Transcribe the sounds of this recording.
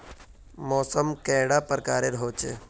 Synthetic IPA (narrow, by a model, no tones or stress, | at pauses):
mɔːsəmkɛ̃ːɽapəɾkaːɾeɾɦoːt͡ʃe